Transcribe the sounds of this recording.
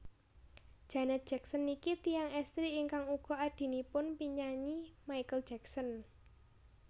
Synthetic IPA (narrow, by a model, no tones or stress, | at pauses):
d̥ʒ̥a̤nɛt̪̚dʒ̥ɛksɔənikit̪iaŋɛst̪ɾiːŋkaŋuɡ̥ɔ̤aɖ̥i̤nipʊnpiɲaɲimajkəl̥d͡ʒ̥ɛksən